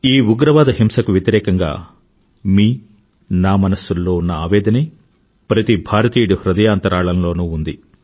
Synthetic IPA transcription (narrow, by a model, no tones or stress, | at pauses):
iːuɡɾɐʋaːd̪ɐɦimsɐkuʋjɐt̪iɾɛːkɐŋɡa̰ː | miː | naːmɐnɐsːulːo̞ːunːɐaːʋɛːd̪ɐni | pɾɐt̪ibʱaːɾɐt̪iːɽuhɾɐd̪ɐjaːnt̪ɐɾaːɭɐnlo̞ːnuːund̪i